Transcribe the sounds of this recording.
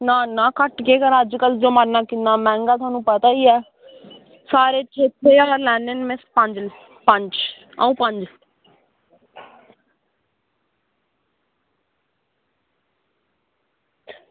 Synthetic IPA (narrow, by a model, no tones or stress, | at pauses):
naːnãːkəʈkeːkəɾəd͡ʒkəld͡ʒoːmaɾnaːkɪnd̪aːmɛ̃ːŋɡaːt̪ʰʊaːnũːpət̪aːiːɛː | saːɾeːt͡ʃʰeːt̪ʰːeːaːɾlɛːnenmẽspəɲd͡ʒl | pəɲd͡ʒ | ə̰ũːpəɲd͡ʒ